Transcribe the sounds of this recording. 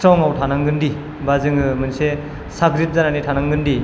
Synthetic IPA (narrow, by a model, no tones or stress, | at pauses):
ɾɔŋawtʰanaŋɡɯndi | bazɯŋɯmɯnse | saɡɾit̚zananitʰanaŋɡɯndi